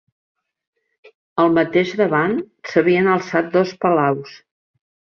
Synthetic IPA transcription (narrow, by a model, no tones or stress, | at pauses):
əlˠmət̪eʒðəβan | səβiənəlˠsat̪̚d̪ɔspəlaws